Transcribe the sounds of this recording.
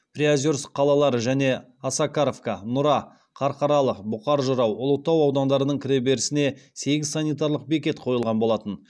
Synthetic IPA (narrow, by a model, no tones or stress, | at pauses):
prʲiazʲoɾsqʰːɑlˠɑlˠɑɾəʒæne̞ | asakaɾovkanʊɾɑ | qʰɑɾqɑɾɑlˠəqbʊqɑɾʒəɾɑwʊlˠət̪ːɑwɑwd̪ɑnd̪ɑɾənəɴkʲʰɪɾe̞be̞ɾɪsɪne̞se̞ɡʲɪzsanʲijt̪aɾlˠəq̚be̞kʲe̞t̪qʰo̞jəlˠʁɑnbo̞lˠɑt̪ən